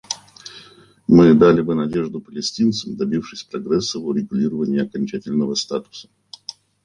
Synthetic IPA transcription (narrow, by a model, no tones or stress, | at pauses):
mɨd̪alʲɪbɨnɐdʲe̞ʐd̪ʊpəlʲɪsʲtʲint̪səmd̪ɐbʲifʂɨsʲpɾɐɡɾɛsːəvʊɾʲɪɡʊlʲiɾəvənʲɪjəɐkɐnʲt͡ɕætʲɪlʲnəvəst̪at̪ʊ̥sə̥